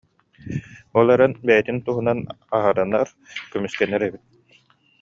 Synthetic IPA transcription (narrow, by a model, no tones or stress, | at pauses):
ɔlˠɛɾɛnbɛjit̪int̪uɦunan | aɦaɾɯnaɾ | kymyskɛnːɛɾɛbit̪̚